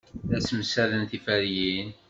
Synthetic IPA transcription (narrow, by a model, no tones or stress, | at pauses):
ðæsəmsælənθifæɾjin